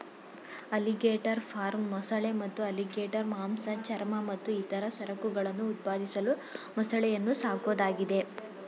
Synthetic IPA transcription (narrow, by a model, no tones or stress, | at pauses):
ɐliɡeːʈɐɾpʰaːɾmːɐsɐɭemɐt̪ːuɐliɡeːʈɐɾmaːmsɐt͡ʃɐɾmɐmɐt̪ːuiːt̪ɐɾɐsɐɾɐkuɡɐɭɐnːuːt̪̚paːd̪ʱisɐlumɐsɐɭɛjɐnːusaːko̞ːd̪aːɡid̪e̞